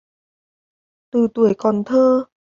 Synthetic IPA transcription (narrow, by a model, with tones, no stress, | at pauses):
t̪ɯː˧˩t̪u˨˩əjkɔː˧˩nt̪ʰɤː˧